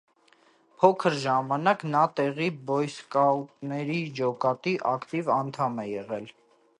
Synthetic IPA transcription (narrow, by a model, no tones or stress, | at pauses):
pʰɔkʰəɾʒɑmɑnɑknɑt̪ɛʁibɔjskɑltnɛɾid͡ʒɔkɑt̪iʔɑkt̪ivɑnt̪ʰɑmɛjɛʁɛl